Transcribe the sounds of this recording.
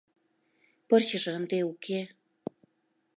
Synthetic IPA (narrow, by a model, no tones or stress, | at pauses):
pɤrt͡ɕəʒənd̪eukʰe